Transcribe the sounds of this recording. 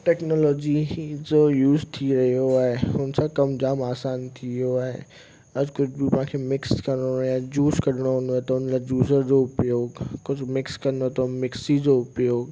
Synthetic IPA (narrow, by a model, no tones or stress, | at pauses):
ʈɛːknɔːlɔːd͡ʑid͡ʑojuːzt̪ʰiɾɐɦijoaːɦeʊnsãkɐmd͡ʑaːmaːsaːnt̪ʰioaːɦḛ | ɐd͡ʑkʊd͡ʑʰbɪpɐɦãːkʰeːmɪkskɐɾɽojãd͡ʑuːskɐɾɪɽ̃oɦʊ̃nd̪oet̪ɐʊnlaːd͡ʑuːzəɾd͡ʑoʊpjoːɡkʊd͡ʑʱmɪkskɐnot̪ʰomɪksid͡ʑoʊpjoːɡ